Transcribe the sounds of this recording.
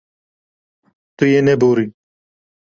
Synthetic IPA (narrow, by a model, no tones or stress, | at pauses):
t̪ujeneboːɾi